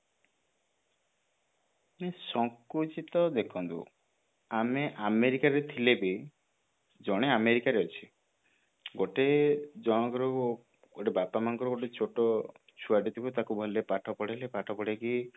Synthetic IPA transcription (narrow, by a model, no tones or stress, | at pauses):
mesɔŋkut͡ʃit̪ɔd̪ekʰɔnt̪ṵ | ameʔameɾikaɾet̪ʰilebi | d͡ʒɔɽ̃eameɾikaɾeɔt͡ʃʰi̥ | ɡoʈed͡ʒɔɽ̃ɔkɔɾu | ɡoʈebapamanɔkɔɾɔɡoʈet͡ʃʰoʈɔ | t͡ʃʰuaɖit̪ʰibut̪akubʱɔilepaʈʰɔpɔɽelepaʈʰɔpɔɽeki